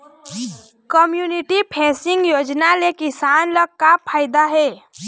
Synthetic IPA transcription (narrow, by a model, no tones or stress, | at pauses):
kəmjuniʈipʰɛsiŋɡjoːd͡ʒnalekisanləɡ̚kapʰaːɪd̪aɦɛː